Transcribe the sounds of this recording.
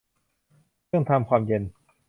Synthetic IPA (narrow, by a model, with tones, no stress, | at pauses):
ɯ˥˩əŋt̪ʰa˧mkʰwaː˧mje˧n